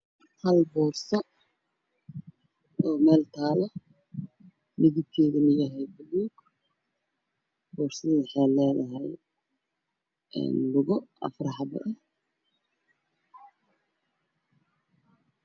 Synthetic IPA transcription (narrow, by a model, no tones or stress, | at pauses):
hɐlbɔːrsɔ | ɔːmɛːlt̪ʰaːlɔ | nɪɣɪb̚k̪ʰɛːðɐnɪjɐɦɛjbʊluːɡ | bɔːrsɐðħɛːlɛːðɐɦɛj | ɛ̰ːnlʊɣɔɐ̰frɑħɑbɐ̰ʔɛ